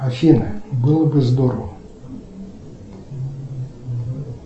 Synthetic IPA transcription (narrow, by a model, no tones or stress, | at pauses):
ɐfʲinɨbɨlˠəbɨzd̪oɾəvə